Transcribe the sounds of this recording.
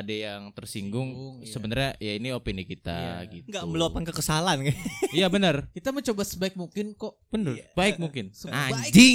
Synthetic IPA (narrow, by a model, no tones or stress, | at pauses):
adajaŋt̪ərsiŋɡʊŋsəbənərɲajainiopinikit̪a̰ɡit̪ŋɡaməluapankəkəsalankajabənərkit̪aməɲt͡ʃobasəbaɪk̚muŋkɪnkoʔb̥ənərbaɪk̚muŋkɪnʔaɲd͡ʒi